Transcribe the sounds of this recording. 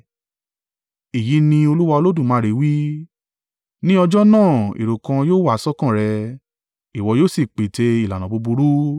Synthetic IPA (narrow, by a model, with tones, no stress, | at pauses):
i˨ji˨˦nĩ˧o˧lu˦wa˧o˧lo˦dũ˦˨mãː˨˦ɾe˨˦wi˦ | nĩ˦ɔ˧d͡ʒɔ˦nãː˦˨ḭ˨ɾo˨kã˧joː˦wa˦˨˦sɔ˦kã˦˨ɾɛ˧ | i˨wɔ˧˦joː˦˨si˦˨k͡pe˨te˧i˨la˨nã˨bo˧bu˧ɾu˦